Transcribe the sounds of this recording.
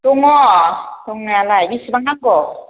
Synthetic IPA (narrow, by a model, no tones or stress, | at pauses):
tuŋɔtuŋnalaɡisbaŋaŋɡɔ